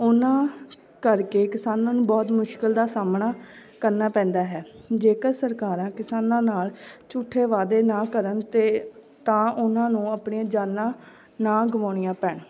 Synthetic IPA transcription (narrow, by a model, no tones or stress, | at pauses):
ʊnãː | kəɾkeːkɪsaːnãːnũːbɔːt̪mʊʃkəld̪aːsaːmɳaːkəɾnaːpɛ̃ːnd̪aːɦɛːd͡ʒeːkəɾsəɾkaːɾãːkɪsaːnãːnaːlt͡ʃʊʈʰːeːʋaːd̪eːnãːkəɾənt̪eː | t̪ãːʔʊnãːnũːaːpɳeãːd͡ʒaːnːãː | nãːɡʊmaːɳɪjãːpɛːɳ